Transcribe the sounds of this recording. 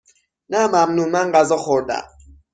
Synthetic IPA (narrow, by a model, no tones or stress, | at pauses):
namamnumaŋɡazɔxoda̰